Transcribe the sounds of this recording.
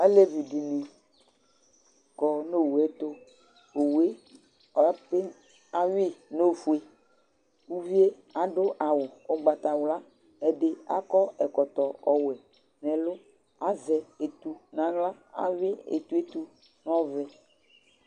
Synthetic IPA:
a˦le˦vi˨ɖi˨nẽ˨ | kɔ˨no˦˨wu˨ɛ˦t̪o˦ | o˨wu˨e˦ | pe˦ | a˦we˦no˦˨fu˦e˦ | u˦vi˦e˦ | a˨ɖʊ˦ʔa˨wʊ˨o˦ɡ͡ba˨t̪a˨wla˦ | ɛ˨ɖe˦a̰˦kɔ˦ɛ˨kɔ˨t̪ɔ˨ɔ˦wɛ˨ | nɛ̃˨lʊ˦ | a˦zɛ˨e˨t̪u˨nã˨ɣla˦a̰˦wɪ˦ḛ˨t̪u˦e˦t̪u˦ | n˦ɔ̃˦vɛ˨

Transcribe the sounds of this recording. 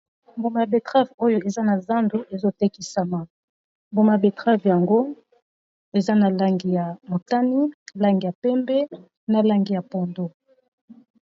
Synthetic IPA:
mbo˨ma˨be˨tʁa˦vo˦jo˦e˨za˦na˨za˦ndu˦ʔe˨zo˦te˦ki˨sa˨ma˨ | mbo˨ma˨be˨tʁa˦vja˨ŋɡo˦ | e˨za˦na˨la˦ŋɡi˨ja˨mo˨ta˦ni˦la˦ŋɡi˨ja˨pɛ˦mbɛ˦ | na˨la˦ŋɡi˨ja˨pɔ˨ndo˦

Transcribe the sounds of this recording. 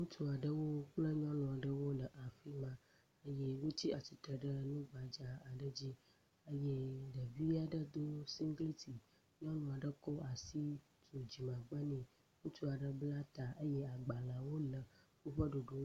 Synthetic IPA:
ŋũ˦tu˦a˨ɖə˦wo˦k͡plə˦ɲɔ̃˦nũ˨a˨ɖə˦wo˦lə˨ʔa˨fi˦mã˦ | ə˦jɛ˦wo˦t͡ɕi˦a˨ti˨t̪ɾə˨ɖə˦nũ˦ɡ͡ba˨d͡ʒa˦a˨ɖə˦d͡ʑi˦ | ə˦jɛ˦ɖə˨vi˦a˨ɖə˦d̪o˦si˦ŋɡli˦t̪i˨ | ɲɔ̃˦nũ˨a˨ɖə˦kɔ˦ʔa˨si˦ | to˨d͡ʑi˨mã˨ɡ͡ba˦nĩ˨ | ŋũ˦tu˦a˨ɖə˦bla˦t̪a˨ʔə˦jɛ˦a˨ɡ͡ba˨la˨wo˦lə˨wo˦ɸə˦ɖo˨ɖo˦

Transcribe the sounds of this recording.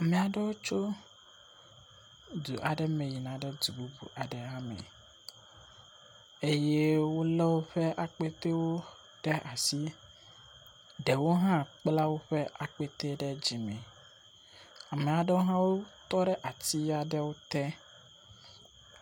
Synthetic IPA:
a˨mɛ̃˨a˨ɖɛ˦wo˦t͡ʃo˦ | d̪u˨ʔa˨ɖɛ˦me˨ji˨nã˨ɖɛ˦d̪u˨bu˦bṵ˨ʔa˨ɖɛ˨ɦã˦mɛ̰˨ | e˦je˦wo˦lɛ˦wo˦ɸɛ˦ʔa˨k͡pe˦t̪e˦wo˦ | ɖ̥ɛ˦ʔa˨si˦ | ɖɛ˨wo˦ɦã˦k͡pla˦wo˦ɸɛ˦ʔa˨k͡pe˦t̪e˦ɖɛ˦d͡ʑi˨mɛ̰̃˨ | a˨mɛ˨a˨ɖɛ˦wo˦ɦã˦wo˦t̪ɔ˦ɖɛ˦ʔa˨t̪i˦ja˦ɖɛ˦wo˦t̪ɛ˦

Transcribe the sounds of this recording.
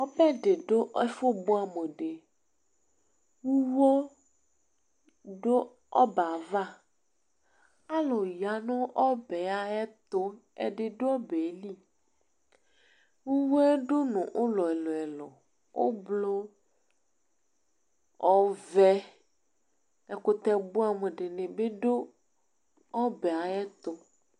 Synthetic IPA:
ɔ˦pɛ˦ɖe˨ɖo˦ʔe˦fo˦bo˦a˨me˨ɖe˨ | wu˦wo˦ | ɖo˦ | ɔ˦ba˨va˦ | a˦lɔ˨ja˨nõ˦ʔɔ˦be˨a˦ɛ˦t̪o˦ | ḛ˨ɖe˨ɖo˦ɔ˦be˨˦li˦ | wu˦wo˦ɛ˦ɖo˦nɔ̃˨ʔo˦lɔ˨ɛ˨lɔ˨ɛ˨lɔ̰˨ | wo̰˦blo˦ | ɔ˦vɛ˦ | ɛ˨ko˦t̪ɛ˦bu˦a˨me˨ɖe˨nẽ˨be˦ɖo˦ | ɔ˦bɛ˨a˨ɛ˦t̪o˦

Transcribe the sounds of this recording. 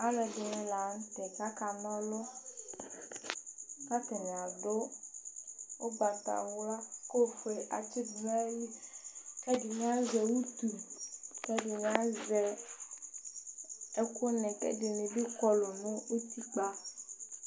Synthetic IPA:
a˦lɛ˨de˨nẽ˨la˨˦ŋ̩˦t̪ɛ˨ka˦ka˨nɔ̃˦lɔ˦ | ka˦t̪ɛ˨nɛ̃˨a˨ɖo˦ | wo˦ba˨t̪a̰˨wla˦ko˦fe˨a̰˨d͡ʒi˦bɛ˦li˦kɛ˦di˨mẽ˦a˦zɛ˨wu˦t̪u˨kɛ˦ɖe˨mẽ˦a˦zɛ˨ | e˦ko˦nɛ̃˨kɛ̰˦ɖe˨nẽ˨bi˦kɔ˦lo˨nõ˦u˦t̪i˦k͡pa˦

